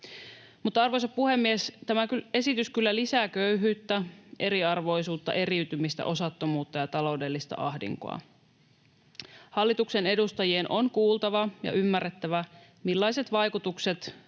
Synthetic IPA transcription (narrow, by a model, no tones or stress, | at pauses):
mut̪ːɑɑrʋojsɑppuhe̞mːiest̪æmækye̞sit̪yskylːælisæːkø̞yɦyːt̪ːæʔe̞ɾiɑrʋo̞jsuːt̪ːɑ̰ʔe̞ɾiyt̪ymist̪æ̰ʔo̞sɑt̪ːo̞muːt̪ːɑjɑt̪ɑlo̞wde̞lːist̪ɑ̰ʔɑ̰ɦdḭŋko̰ɑ̰ | hɑlːit̪ukse̞ne̞dust̪ɑjienʔo̞nkuːlˠt̪ɑʋɑjɑ̰ʔymːærːet̪ːæʋæ | milːɑjse̞t̪ʋɑjkut̪ukse̞t̪